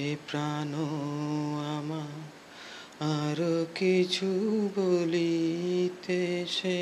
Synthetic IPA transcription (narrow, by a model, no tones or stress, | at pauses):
epɾano | ama | aɾokit͡ʃʰubolit̪eʃe